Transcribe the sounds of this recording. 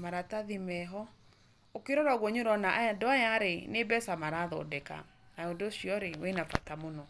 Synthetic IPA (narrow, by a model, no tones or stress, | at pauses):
maɾataðimɛɦɔ | okeɾɔɾaɣwɔɲoɾɔnaʔandoajaɾenebɛsamaɾaðɔ̰dɛka̰ | naondoɕiɔɾewenafa̰tamonɔ